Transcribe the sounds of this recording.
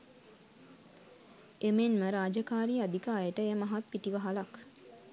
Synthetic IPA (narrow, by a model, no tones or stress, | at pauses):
emenməɾaːd͡ʒəkaːɾiːad̪ikaːjəʈəejəmaɦat̪̚piʈiʋəɦalak